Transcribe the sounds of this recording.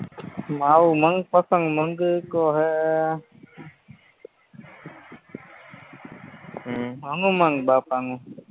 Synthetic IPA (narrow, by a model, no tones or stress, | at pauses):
maːuməŋɡ̚pəsə̃ŋɡməŋɡkoːɦe | əŋuməŋɡbaːpaŋu